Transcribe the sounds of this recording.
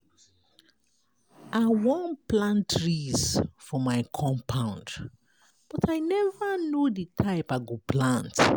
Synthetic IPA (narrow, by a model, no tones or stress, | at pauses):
aɪwɔ̃nplãntʰɹisfɔmaɪkʰɔ̃mpʰãʊ̃nd | b̥ɔtʰaɪnɛvanjuditʰaɪpaɡoplãnt